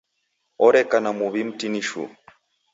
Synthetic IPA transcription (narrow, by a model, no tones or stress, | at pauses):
ɔɾɛkanamuβim̩tiniʃṵ